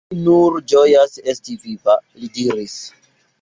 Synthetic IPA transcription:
nuɾd͡ʒo̞jase̞stivivalidiɾis

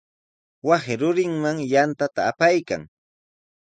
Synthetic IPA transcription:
wasɪɾʊɾɪŋmaŋjant̪at̪aːpajka̰ŋ

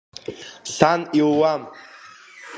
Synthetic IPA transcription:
ɬaniwwam

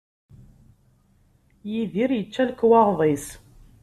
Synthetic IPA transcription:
jiðiɾjət͡ʃːælkːwɑʁðˤis

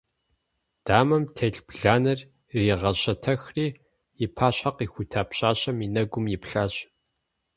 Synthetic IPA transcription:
d̥aːmɐmtʰeːɮbɮaːnɐrː | iːʁɐɕɐtʰɐxriː | ɪpʰaːɕɐqiːxʷʊtʰaːpɕaːɕʼɐminɐɡʷʊmjɪpɬaːɕʼ

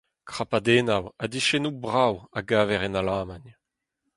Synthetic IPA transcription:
kχapad̪eːnawad̪iʃɛnubʁawaɡaːvɛʁɛnalaːman

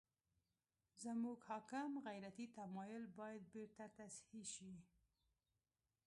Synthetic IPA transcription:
zəmuɡhɑkɪmɣajɾat̪it̪amɑjʊlbɑjad̪̚beɾt̪at̪ashiʃi

